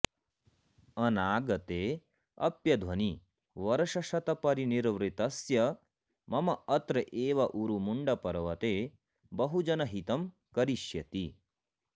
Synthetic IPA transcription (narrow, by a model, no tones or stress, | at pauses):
ɐnaːɡɐt̪eː | ɐ̰pjɐd̪ʱʋɐni | ʋɐɾɐʃɐʃɐt̪ɐpɐɾiniɾʋɾit̪ɐsjɐ | mɐmɐɐt̪ɾɐʔeːʋɐʔuɾumuɳɖɐpɐɾɐʋɐt̪eː | bɐɦud͡ʒɐnɐɦit̪ɐm | kɐɾiʃjɐt̪i